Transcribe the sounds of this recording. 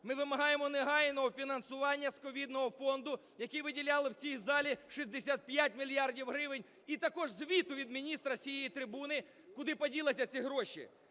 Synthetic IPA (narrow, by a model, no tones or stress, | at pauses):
mɪʋɪmɐɦɑjemɔneɦɑjnɔɦɔfʲinɐnsʊʋɑnʲːɐskɔʋʲid̪nɔɦɔfɔnd̪ʊ | jɐkiʋɪdʲilʲɑlˠɪwt͡sʲijzɑlʲiʃizʲd̪esʲat̪̚pjat̚ʲmʲilʲjɑrdʲiwɦɾɪʋɪnʲ | it̪ɐkɔʒzʋʲit̪ʊʋʲid̪mʲinʲist̪ɾɐsʲijɛjit̪ɾɪbunɪ | kʊd̪ɪpɔdʲilˠɪsʲɐt͡sʲiɦɾɔʃḭ